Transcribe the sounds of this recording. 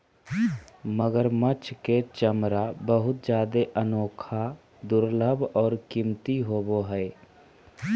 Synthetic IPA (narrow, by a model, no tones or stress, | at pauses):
məɡəɾmət͡ʃʰket͡ʃəmɾabəɦʊt̪̚d͡ʒjaːd̪eʔənoːkʰa | d̪ʊɾləbʱɔːɾkimt̪iɦoboɦɛe